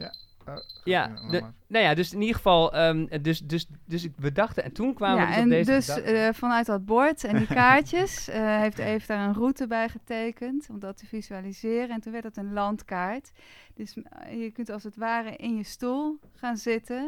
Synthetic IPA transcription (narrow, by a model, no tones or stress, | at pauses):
janojadøsɪnidɣəfɑlˠədøsdøsdøsʋədɑxtəɛ̰ntunkʋaːmjaəɛnedøsfɑnœɥt̚dɔd̚bɔɹtɛndikaːɹtjəsɦejftejvədaːɹənrutəbɛjχətejkəntɔmdɔtəfizyalizɪːrəɛntunʋɛɹtdətənlɑntkaːɹt | døsjəkøntɑlˠsətʋaːrəʔɪnjəstulˠ | χaːnzɪtə